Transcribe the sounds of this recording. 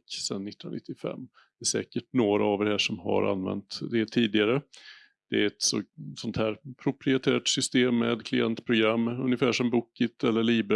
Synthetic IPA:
sɛnːɪt̪ːanɪ̰t̪ːɪfɛ̰mː | d̪ɛæʂɛːkəʈnoːɾaːvd̪ɛhɦæːʂɔmɦa̰ɾa̰nvɛ̰nt̪d̪ɛt̪ʰiːd̪ɪɡaɾə | d̪̥ɛæɾɛt̪sɔsɔnt̪hæːɾpʰɾʊpʰɾɪɛt̪ʰæːʈsʏst̪eːmːeːd̪kʰlɪɛnt̪pʰɾʊɡɾamːɵnjəfæːʂɔmbʊkːɪt̪ɛlːəɭiːb

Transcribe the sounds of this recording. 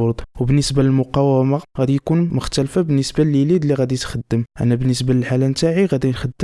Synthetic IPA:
oɾd̪ˤwbənːəsbaləlmʊqɑwəmaɣæd̪ijkunmʊxt̪ælfabənːəsbaləljlid̪lːiɣæd̪it̪xəd̪ːəmʔə̰nːæbənːəsbaləlħalænt̪aʕiɣæd̪inxəd̪ːə

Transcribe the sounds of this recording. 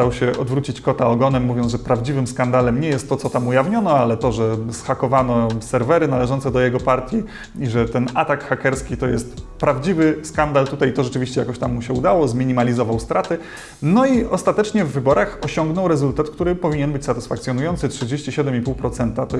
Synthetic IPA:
awɕɛɔd̪vɾut͡ɕit͡ɕkɔt̪aɔɡɔnɛmːuvʲjɔnʐɛpɾavd͡ʑivɘmskand̪alɛmɲɛjɛst̪ːɔt̪sɔt̪amujavɲɔnɔalɛt̪ɔʐɛsxakɔvanɔsɛɾvɛɾɘnalɛʒʐɔnt̪sɛd̪ɔjɛɡɔpaɾt̪ʲji | iʐɛt̪ɛnat̪akxakɛɾskʲit̪ɔjɛst̪pɾavd͡ʑivɘskand̪alt̪ut̪ajt̪ɔʐɛt͡ʂɘvʲiɕt͡ɕɛja̰kɔɕt̪amːuɕɛud̪awɔzmʲiɲimalʲizɔvawst̪ɾat̪ɘ | nɔiɔst̪at̪ɛt͡ʂɲɛvːɘbɔɾaxɔɕɔŋɡnɔwɾɛzult̪at̪kt̪uɾɘpɔvʲiɲɛnbɘt͡ɕʲsat̪ɘ̥sfakt̪sʲjɔnujɔnsɘtʂɘd͡ʑeɕt͡ɕiɕɛd̪ɛmipuwpɾɔt̪sɛnt̪at̪ɔ

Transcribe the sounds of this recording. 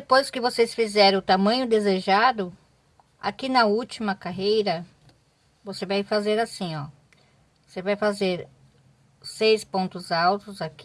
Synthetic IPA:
d̪epojskɪvosesfizɛɾɐ̃ʊt̪amɐ̃ɲʊd̪ezeʒad̪ʊ | a̰kinɐut͡ʃimɐkaɦejɾɐ | vosevajfazeɾasĩɔ | vosevajfazeɾ | sejspõnt̪ʊzawt̪ʊzak

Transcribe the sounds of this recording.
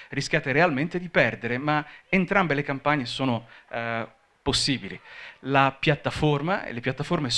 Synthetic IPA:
risk̟jaːt̪eɾealment̪ed̪ipɛrd̪eɾemaent̪ɾambelekampaɲːesoːno | posːiːbililapjat̪ːaformaḛlːepjat̪ːaformes

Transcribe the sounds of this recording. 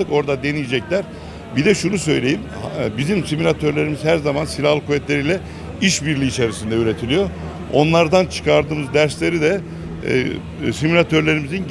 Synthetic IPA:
ɯko̞ɾd̪ad̪e̞nijid͡ʒɛclʲæɾ | bid̪ɛʃunusø̞jlʲe̞jim | bizimsimilʲat̪ʰøɾlʲe̞ɾimizhæɾzamansilʲahlˠkʰuvɛt̪lʲe̞ɾijlʲɛ | iʃbiɾlʲiːt͡ʃʰeɾisind̪ɛyɾet̪ʰilʲijo̞ | o̞̰nlˠaɾd̪ant͡ʃʰɯ̥kʰaɾd̪ɯːmɯzd̪æɾslʲe̞ɾid̪ɛ̰ | simulʲat̪ʰøɾlʲe̞ɾimizin

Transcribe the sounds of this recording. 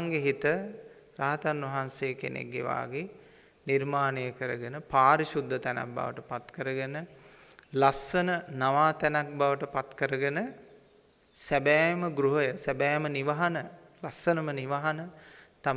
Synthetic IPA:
ŋɡeɦit̪ə | ɾaɦat̪anʋɐɦanseəkḛnʔḛɡɡḛʋa̰ːɡe | nirmaːnejəkəɾəɡənəpaːɾiʃud̪ʱːət̪æna̰k̚ba̰ʋə̰ʈəpat̪kəɾəɡənə | lasːənənaʋaːt̪ænak̚baʋəʈəpat̪kəɾəɡənə | sæbæːməɡɾuɦəjəsæbæːməniʋaɦanə | lasənəməniʋaɦanət̪a

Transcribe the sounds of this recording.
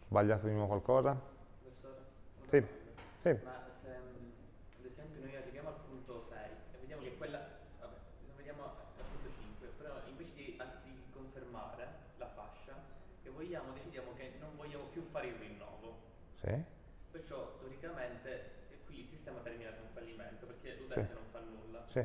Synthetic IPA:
zbaʎːaːt̪ed̪inwɔːvokwalkɔːzapɾofesːoːɾesisimase | ad̪ezɛmpjonoːjarːivjaːmoalpunt̪osɛjɛvːed̪jaːmokekːwelːa | vabɛ | vːed̪jaːmoʔalpunt̪ot͡ʃiŋkwepeɾɔiɱveːt͡ʃed̪iad̪ikoɱferma̰ːɾe | lafa̰ʃːa | kevːoʎːaːmod̪et͡ʃid̪jaːmokenːoɱvoʎːaːmopjufːaːɾeilrinːɔ̰ːvo | sḭ | pert͡ʃɔt̪ːoɾikament̪e | kwilsist̪ɛːmat̪ɛrminat̪uɱfalːimɛnt̪operkːeut̪ɛt̪enoɱfanːulːasi

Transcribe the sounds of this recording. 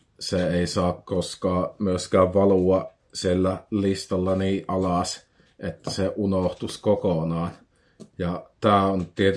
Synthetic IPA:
seeˑisɑːkkoskɑːmyøskæːʋʋɑluɑ | sielːælist̪ɑlːɑniːʔɑlɑˑs | ʔet̪ːæseʔunoht̪uskokonɑːn | jɑt̪æːont̪iet̪

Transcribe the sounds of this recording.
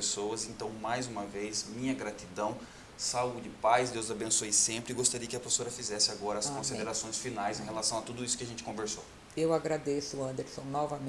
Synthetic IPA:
sowɐzẽnt̪ɐ̃w̃majzũmɐvejsmĩɲɐɡɾat̪id̪ɐ̃w̃ | saud͡ʒɪpajzd̪ewzabẽsosẽmpɾɪɪɡost̪aɾiɐkɪɐpɾofe̥soɾɐfizɛsɪaɡɔɾɐːskõsĩd̪eɾasõj̃sfinajzẽɦelasɐ̃w̃at̪ud̪ʊisʊkɪaʒẽnt͡ʃɪ̥kõveɾso | ewaɡɾad̪esʊɐ̃nd̪eɾsõw̃nɔvɐm̃

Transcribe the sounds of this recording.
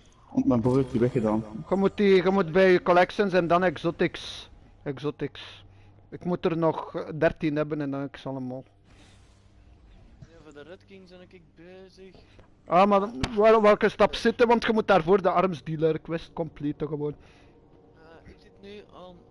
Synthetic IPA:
ɔmabovtiʋɛxədaːnɣəmutiɣəmutbɛjykɔlɛkʃənsɛndɑnɛɡzotɪks | ɛɡzotɪks | ɪkmutərnɔxdɛrtinɦɛbənɛndɑnɪksɑlˠəmaːlˠ | ɪŋ | aːmaɛʋɛlˠkəstɑpsɪtənʋɑntxəmut̚daːrvoːrdəɑrmzdiːləɾɪkʋɛst̚kɔmpletəɣəʋoːn

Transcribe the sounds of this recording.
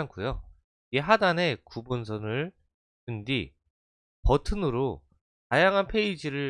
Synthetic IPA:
ankʰujo | ieɦadane̞kubonsʰʌnɯɭ | tɯndi | pʌtʰɯnɯɾo | tajaŋɦanpʰe̞id͡ʑiɾɯɭ

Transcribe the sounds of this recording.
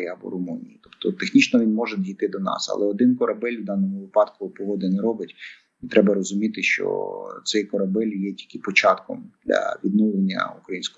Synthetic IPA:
iɐbɔ̰ɾɔmunʲḭjit̪ɔ̥pt̪ɔt̪exnʲit͡ʃnɔʋʲinmɔʒɛd̪jʲijt̪ɪd̪ɔnɑ̰sɐ̰lˠɛɔd̪ɪnkɔɾɐbɛlʲwd̪ɑnɔmʊʋɪpɑd̪kʊpɔɦɔd̪ɪnɛɾɔbɪtʲ | t̪ɾʔɛbɐɾɔzʊmʲit̪ɪʃt͡ʃɔ̰t̪sɛjkɔɾɐbɛlʲjɛtʲi̥lʲkɪpɔt͡ʃɑt̪kɔmd̪lʲɐ̰ʋʲid̪nɔwlˠenʲːɐ̰ukɾɐjinʲsʲkɔ

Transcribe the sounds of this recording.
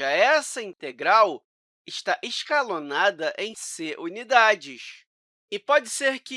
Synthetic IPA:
ɐɛsɐĩnt̪eɡɾaw | ɪʃt̪aʔeʃkalonad̪ɐʔẽj̃seʔunid̪ad͡ʒɪʃ | ɪpɔd͡ʒɪseɾkɪ

